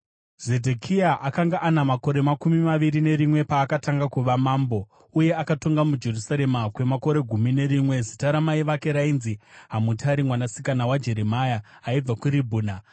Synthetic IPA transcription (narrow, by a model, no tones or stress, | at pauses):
ze̞dʱekʰiaʔakaŋɡaʔanamako̞ɾe̞makumimaʋiɾine̞ɾimwe̞paːkataŋɡakuʋamaːmbo̞ | uje̞akato̞ŋɡamud͡ʒe̞rusaɾe̞makwe̞mako̞ɾe̞ɡʱumine̞ɾimwe̞zitaɾamaiʋake̞ɾainziɦamutaɾimwanasi̥kanawad͡ʒe̞ɾemajaː | ib͡vakuɾibʱuːna